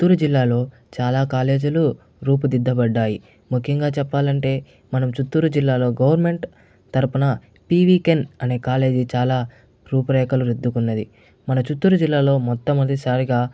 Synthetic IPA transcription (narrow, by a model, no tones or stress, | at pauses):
ut̪ːuɾud͡ʒilːaːlo̞ː | t͡ʃaːlaːkaːle̞ːd͡ʒulu | ɾuːpud̪id̪ːɐbɐɖːaːji | mukʰjɐŋɡaːt͡ʃɛpːaːlɐɳʈe̞ː | mɐnɐmt͡ʃut̪ːuːɾud͡ʒilːaːlo̞ːɡɐwɐɾme̞ɳʈ | t̪ɐɾupunɐ | piːʋiːkenɐne̞ːkaːle̞ːd͡ʒit͡ʃaːlaː | ɾuːpɐɾɛːkɐluɾud̪ːukunːɐd̪i | mɐnɐt͡ʃut̪ːuːɾud͡ʒilːaːlo̞ːmɔt̪ːɐmɐd̪isaːɾiɡaː